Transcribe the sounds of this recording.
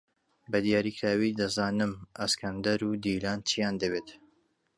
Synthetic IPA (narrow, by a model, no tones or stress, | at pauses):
bɐd̪ijaːɾikʰɾaːwid̪ɐzaːnɨmʔɐskʰɐnd̪ɐɾud̪ilaːnt͡ʃijaːnd̪ɐbeːt̪